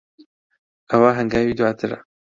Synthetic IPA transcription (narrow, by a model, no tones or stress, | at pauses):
ɐwaːɦɛŋɡaːwiːd̪waːt̪ʰɨɾɐ̰